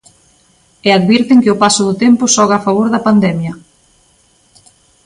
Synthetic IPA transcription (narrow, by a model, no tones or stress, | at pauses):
eaðβiɾt̪ɪŋkɪʊpasʊðʊt̪empʊsɔɣafaβ̞oɾðɐpand̪ɛmjɐ